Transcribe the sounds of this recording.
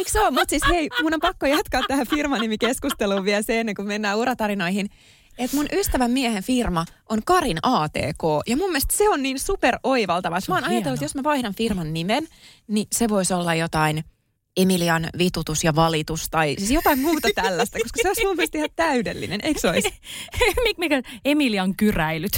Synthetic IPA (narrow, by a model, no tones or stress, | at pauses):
ekseomut̪sisheimunːompɑkːojɑt̪kɑːt̪ːæhæfirmɑnimikeskust̪eluːʋʋiɛlseenːeŋkumenːæːurɑt̪ɑɾinoihin | et̪munʔyst̪æʋæmmiæhenfirmɑʔoŋkɑrinɑːt̪ḛːkoːjɑmumːieˑɛst̪seonniːnsuperoiʋɑlt̪ɑʋɑst̪mɑːnɑjɑt̪elːut̪josmæʋɑihdɑnfirmɑnːimenniseʋoisolːɑjot̪ɑin | emiliɑnʋit̪ut̪usjɑʋɑlit̪ust̪ɑisisjot̪ɑimmuːt̪ɑt̪ælːæst̪ækoskɑseoismumːiɛst̪ehætt̪æydelːḭnenʔeiksois | mikmikæemiliɑŋkyræilyt̪